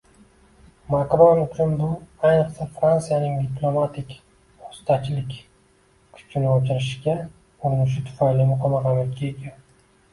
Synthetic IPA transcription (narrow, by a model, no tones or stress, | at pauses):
makɾɒnʊt͡ʃʰʊnbʊajnɨqsafɾansijanɪŋd̪ɪplˠo̞mat̪ʰɪkʲ | ost̪ʰat͡ʃʰlɪkʲ | kʰʊ̥t͡ʃʰːɪnɪɒt͡ʃʰɪɾɪʃɡʲa | ʊɾnɪʃ̬ɪt̪ʰʊ̥fajlimʊqʰɒmɑqɑmakʲʰiekʲa